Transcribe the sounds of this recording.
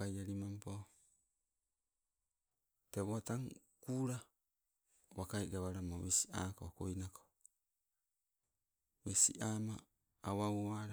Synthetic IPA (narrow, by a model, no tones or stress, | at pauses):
ajaɾimampo | teβoataŋ | kuːɾa | βakajɡaβaɾamowesi̥aːkoko̰jnako̥ | wesḭʔamaː | wawoaɾa